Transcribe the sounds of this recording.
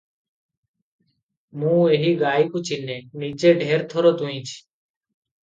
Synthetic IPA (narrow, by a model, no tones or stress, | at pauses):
mũːeːɦiːɡaːikũːt͡ʃʰiːneːniːd͡ʒeːɖʱeːɾt̪ʰoːɾoːt̪ũːĩːt͡ʃʰi̥ː